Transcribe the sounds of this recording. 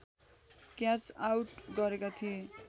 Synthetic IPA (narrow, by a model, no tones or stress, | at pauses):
kjat͡sawʈɡʌɾekat̪ʰie